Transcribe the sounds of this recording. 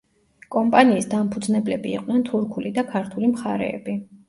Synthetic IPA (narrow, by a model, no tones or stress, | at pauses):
kʼɔmpʼaniːsd̪ampʰud̪znɛblɛbḭːqʼnɛnt̪ʰuɾkʰulid̪akʰaɾt̪ʰulimχaɾɛ̰ːbi